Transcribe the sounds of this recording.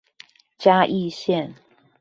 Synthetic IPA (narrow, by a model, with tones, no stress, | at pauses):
t͡ɕja˥ʔi˥˨ɕjɛ˥˨n